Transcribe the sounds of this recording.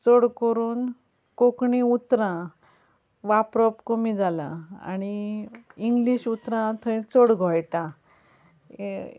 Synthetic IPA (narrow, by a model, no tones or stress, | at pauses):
t͡səɽkəɾuːn | kokɳĩut̪ɾã | ʋapɾɔpkomid͡zalã̰a̰ñiiŋɡliɕut̪ɾãt̪ʰə̃ĩt͡səɽɡʱɔjʈã